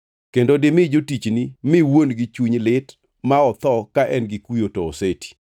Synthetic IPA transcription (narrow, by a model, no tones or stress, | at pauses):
kendodɪmɪd͡ʒotit͡ʃnimɪwonɡɪt͡ʃuɲlɪt | maɔt̪ɔkaʔɛnɡɪkujotɔːsetʰi̥